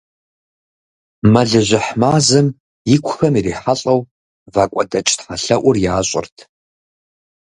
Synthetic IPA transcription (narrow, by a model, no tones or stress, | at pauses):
mɐɮɨʑʷɪħmaːzɨm | jɪkʷʰʊxɐmiɾiːħaɬʼɐw | vaːkʷʼɐdɐt͡ʃʼtħɐɬɐʔʷʊrjaːɕʼɪ̰rtʰ